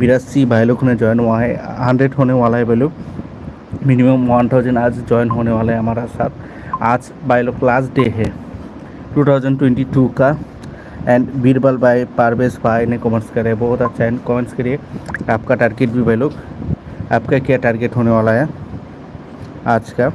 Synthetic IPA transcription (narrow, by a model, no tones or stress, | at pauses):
biɾasibajlokʰned͡ʒɔjnwaɦeɦaɳɖɾeɖɦonewalaebajluk̚ | minimamant̪ʰawd͡ʒenad͡ʒd͡ʒɔjnɦonewalajamaɾasat̪ | ad͡ʒ | bajloklasʈɖeɦɛ | ʈut̪ʰawd͡ʒanʈweɳʈituka | ɛ̃ɳɖbiɾbalbajpaɾbesbajnekɔmenskaɾebɔɦut̪at͡ʃajnkɔmenskəɾieap̚kaʈaɾɡeʈ̚bibʱajlokʰ | a̰p̚kakiaʈaɾɡeʈɦonewalaja | ad͡ʒka